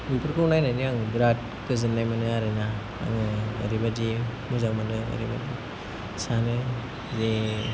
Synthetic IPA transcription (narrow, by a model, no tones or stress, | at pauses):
ɡipɯɾkɯunajnaniaŋbɾat̚ | kɯzɯnːajmanɯaɾɯna | a̰ŋɯɡa̰ɾibadimuzaŋmanɯɡa̰ɾiba̰di | sanɯ | ze